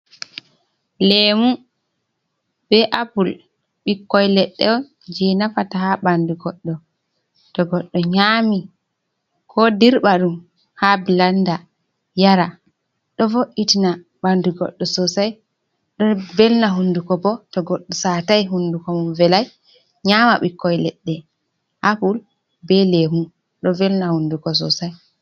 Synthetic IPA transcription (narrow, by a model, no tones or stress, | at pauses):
lɛmu | b̥ɛʔapul | ɓikːɔjlɛɗːɛɔn | d͡ʒɛnafataɦaɓanduɡɔɗːɔ | tɔɡɔɗːɔɲaːmi | kʰɔdiɾɓaɗum | habilanda | jaɾa | ɗɔvoʔitina | ɓanduɡɔ̰ɗːɔsɔsaj | ɗɔnvɛlnaɦundukɔbɔtɔɡɔɗːɔsatajɦundukɔmumvɛlaj | ɲamaɓikːɔjlɛɗːɛ | hapul | bɛlemu | ɗɔvɛlnahundukɔs̬ɔ̰saj